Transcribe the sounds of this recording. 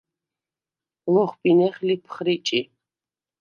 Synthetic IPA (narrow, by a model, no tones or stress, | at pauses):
lɔχpʼinɛχʲlipʰχrit͡ʃʼi